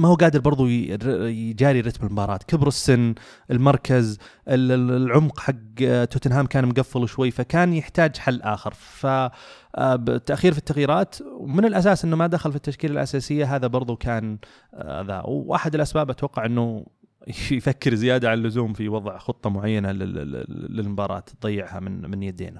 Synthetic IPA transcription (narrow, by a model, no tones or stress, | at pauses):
mahuːɡaːd̪ɪɾbɑɾˤðˤujd͡ʒaːɾiɾɪt̪bɪlmʊbɑːɾˤɑːt̪kɪbɾɪsːɪnː | ʔɪlmɑɾˤkʰaz | ʔɪlʕʊmqħaɡt̪ːʊːt̪anɦaːmkaːnmʊɡafːɪlwʃwajːfakaːnjɪħt̪aːd͡ʒħalːʔaːxɪɾfa | bt̪ːaʔxiːɾfit̪ːaɣjiːɾaːt̪wmɪnɪlʔas̬aːsʔɪnːumad̪axalfit̪ːaʃkiːlɪlʔa̰saːsɪjːaɦaːðabɑɾˤðˤukʰaːn | a̰ða̰wʔa̰ħɪd̪ɪlʔasbaːbʔat̪wɑqːɑʕʔɪnːu | jfakːɪɾzɪjaːd̪aʕalalːʊzuːmfiwɑðˤʕxʊt̪ˤːɑmʊʕajːanalɪ̰ː | ɪlmbɑːɾˤɑ̰ːt̪d̪ˤɑjːɪʕha̰mɪnmɪnjad̪ḛːna